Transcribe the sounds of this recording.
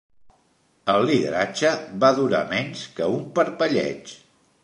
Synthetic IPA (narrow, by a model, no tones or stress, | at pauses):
əlˠːiðə̰ɾat͡ʃəβaðuɾa̰mɛɲskəumpəɾpəʎɛ̰t͡ʃ